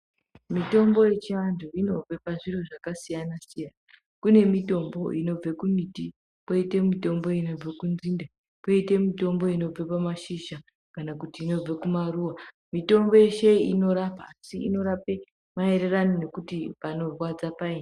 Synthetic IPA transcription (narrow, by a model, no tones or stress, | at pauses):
mito̞mbo̞je̞t͡ʃiandoino̞b͡vepaʐiroʐakasijanasijana | kune̞mito̞mbo̞̰ʔino̞b͡vekuniti | poite̞mito̞mbo̞ino̞b͡vekunzinda | poite̞mito̞mbo̞ino̞b͡vepamaʃiʒa | kanakutiːno̞b͡vekumaruwa | mito̞mbo̞jeʃe̞iino̞ɾapaːsiḭno̞ɾape | mae̞ɾe̞ranine̞kutipano̞rwad͡zapaine